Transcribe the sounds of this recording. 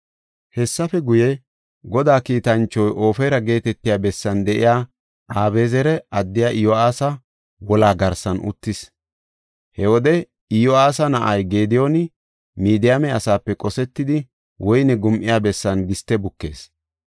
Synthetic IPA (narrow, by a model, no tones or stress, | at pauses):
hɛsːɐfɛɡʊjɛ | ɡɔd̪aːkiːt̪ɐnt͡ʃːɔjʔo̞ːfeːɾɐɡe̞ːt̪ɛt̪ːɪjaːbɛsːɐnd̪ɛʔɪ̰jaː | ʔaːbe̞ːzɛɾɛʔɐd̪ːɪjaːʔɪjɔaːsɐ | wɔlaːɡɐɾsɐnʔʊ̰t̪ːɪs | hɛwɔd̪ɛ | ɪjɔaːsɐnɐʔɐjɡe̞ːd̪ɪjonɪ | miːd̪ɪjamɛɐsaːpːɛkʼɔsɛt̪ːɪd̪ɪ | wɔjnɛɡʊmʔɪjaːbɛsːɐnɡɪst̪ːɛbʊkːe̞̰ːs